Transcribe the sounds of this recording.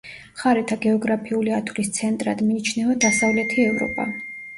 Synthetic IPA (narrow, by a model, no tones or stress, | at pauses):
χaɾɛt̪ʰaɡɛɔɡɾapʰiuliat̪ʰvlist̪sʰɛnt̪ʼɾad̪miːt͡ʃʰnɛvad̪asavlɛt̪ʰiɛvɾɔ̰pʼa̰